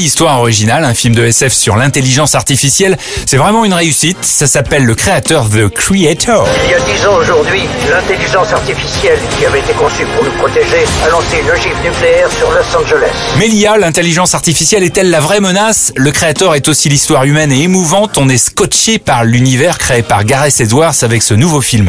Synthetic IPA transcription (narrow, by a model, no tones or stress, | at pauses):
list̪waʁɔʁiʒinalɛ̃filmd̪əɛsɛfsyʁlɛ̃t̪eliʒɑ̃saʁt̪ifisjɛl | sɛvʁɛmɑ̃ynʁeysit̪sasapɛlːəkχeat̪œʁðəkχiet̪ʰɔʁiljad̪izɑ̃oʒuʁd̪ɥilɛ̃t̪eliʒɑ̃saʁt̪ifisjɛlkʲiavɛet̪ekɔ̃sypuʁnupχɔt̪eʒealɔ̃seynəʒifnykleɛʁsyʁlɔsɑ̃ʒelɛ̰smɛlijalɛ̃t̪eliʒɑ̃saʁt̪ifisjɛlɛt̪ɛlːavʁɛmənasləkχeat̪œʁɛt̪osilist̪waʁymɛneːmuvɑ̃t̪ɔ̃nɛskɔt͡ʃepaʁlynivɛʁkχeepaʁɡaʁɛsed̪waʁsavɛksənuvofilm